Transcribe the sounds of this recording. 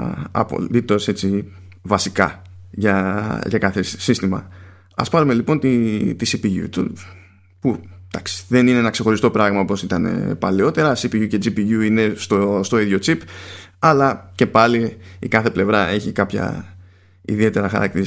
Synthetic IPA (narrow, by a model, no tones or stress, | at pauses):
ɐ̰po̞̰lit̪o̞se̞t͡si | vɐsikɐ̰ | ʝɐʝɐkɐθe̞sist̪imɐ̰ | ɐ̰spɐɾume̞lipo̞nt̪it̪isipiʝṵt̪ṵ | pud̪̥ɐksi̥ðe̞nineenɐkse̞xo̞ɾist̪o̞pɾɐɣmɐopo̞sit̪ɐne̞̰pɐleo̞t̪e̞ɾɐsipiʝuce̞d͡zipiʝuine̞st̪ost̪o̞iðʝo̞t͡sipɐlɐce̞pɐliikɐθe̞ple̞vɾɐe̞çikɐpçɐ̰ | ḭðie̞t̪e̞ɾɐxɐ̰ɾʔɐ̰kt̪iɾ